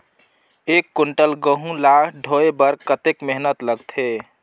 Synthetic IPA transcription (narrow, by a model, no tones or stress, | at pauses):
ekːuɳʈəlɡəɦũlakʰɖʱoebəɾkət̪ekmeɦnət̪ləɡt̪ʰe